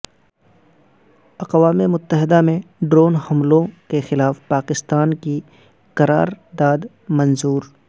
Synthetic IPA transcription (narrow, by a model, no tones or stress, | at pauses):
ɐqʋaːmemʊt̪ːəɦɪd̪amẽɖɾoːnhɐmlõkexɪlaːfpaːkɪst̪aːnki | qɐɾa̰ːɾd̪aːd̪ | mɐnzuːɾ